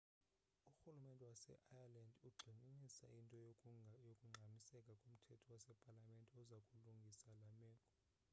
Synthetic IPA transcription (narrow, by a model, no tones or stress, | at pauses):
uxulumɛntʼɛwasɛ̰ʔajalandʱuɡ͡ǃʱininisa̰ʔintʼɔjokʼuŋ͡ǁʱamisɛkʼakʼom̩tʰɛtʰɔwasɛpʼalamɛntʼɛɔzakʼuluŋɡʱisalamɛːkʼɔ